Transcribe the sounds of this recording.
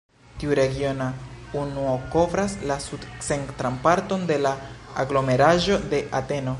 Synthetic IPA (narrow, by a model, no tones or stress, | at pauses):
tiuɾe̞ɡio̞naunuoko̞vɾaslasudseŋktɾampaɾto̞nde̞laːɡlo̞me̞ɾaʒo̞de̞ʔate̞no̞